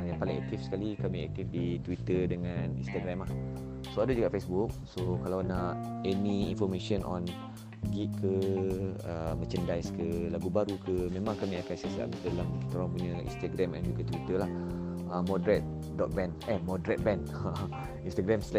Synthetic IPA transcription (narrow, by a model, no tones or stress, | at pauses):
jãŋpaliŋɛ̰k̚t̪ifsə̥kalikamĩɛ̰k̚t̪ifdit̪wit̪ədəŋãnḭ̃nst̪aɡɾamlah | soadad͡ʒuɡaʔfesbuk̚sokalawnaʔɛniinfɔrmeʃənʔɔ̰n | ɡit̪̚kʰə | əmə̃t͡ʃəndajskəlaɡubaɾukʰəmẽmãŋkamĩakansiasa̰ʔdalamkit̪aɾãŋpuɲə̃ḭnst̪aɡɾɛmɛ̰̃nd͡ʒukat̪wit̪əlah | əmɔdɾɛt̪̚ | dɔt̪̚bɛnɛmɔdɾɛt̪̚bɛ̃n | ə | inst̪aɡɾɛmslɛ